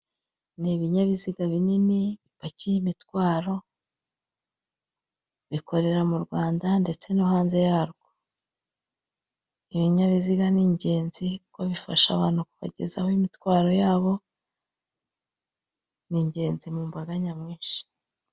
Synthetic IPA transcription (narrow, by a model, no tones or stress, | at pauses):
niβiɲaβiziɡaβininiβipacijimitwaːɾo̞ | βikʰo̞ɾe̞ɾamuɾɡwaːndande̞t͡se̞noɦaːnze̞jaːɾɡ̥o | iβiɲaβiziɡaniːɲɟe̞ːnzikukoβifa̰ʃa̰βaːn̥hukuβa̰ɟe̞̰zahoimitwaːɾo̞jaːβo̞ | niːɲɟe̞ːnzimuːmbaɡaɲamŋiːnʃi̥